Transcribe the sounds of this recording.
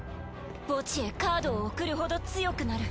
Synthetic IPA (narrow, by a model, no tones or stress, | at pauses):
b̥o̞t͡ɕiekaːd̪o̞ːkɯ̟ɾɯ̟ho̞d̪o̞t͡sɨjo̞kɯ̟naɾɯ̟